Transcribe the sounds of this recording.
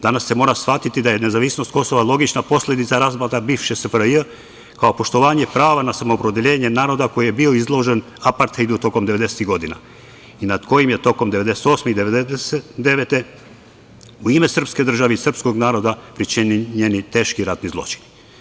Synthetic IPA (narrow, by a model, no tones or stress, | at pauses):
d̪anasːe̞mo̞ːɾasfʋat̪it̪id̪aje̞ne̞zaʋisnost̪ko̞so̞ʋalˠo̞ɡit͡ʃnapo̞slʲed̪it̪saɾazbat̪abiːʋʃesəpɾjə | kao̞po̞ʃt̪o̞ʋaːɲe̞pɾaːʋanasamoːpɾod̪eʎe̞ːɲe̞naːɾo̞d̪ako̞jije̞bioizlˠo̞ʒe̞n | apaɾt̪hejd̪ut̪o̞ko̞md̪e̞ʋe̞d̪e̞set̪iɡo̞d̪ina̰ | inad̪ko̞jimjet̪o̞ko̞md̪eʋe̞d̪e̞se̥t̪o̞ːsmeid̪eʋed̪eeset̪d̪e̞ʋet̪e̞ | uime̞sr̩pske̞d̪r̩ʒaʋeisr̩psko̞ɡnaːɾo̞d̪apɾit͡ʃiɲenit̪e̞ːʃkiɾat̪nizlˠo̞̰t͡ʃi̥n